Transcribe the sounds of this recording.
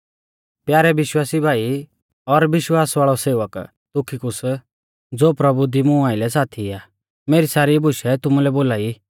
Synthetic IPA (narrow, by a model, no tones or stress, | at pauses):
pjaːɾɛʋɪʃwaːsibʱaːi | ɔɾʋɪʃwaːsʋaːɭɔseːʋək | t̪ʊkʰikʊs | d͡zoːpɾɐbud̪imũaːɪlɛsaːt̪ʰiaː | meːɾisaːɾibʱʊʃɛt̪ʊmulɛboːlaːi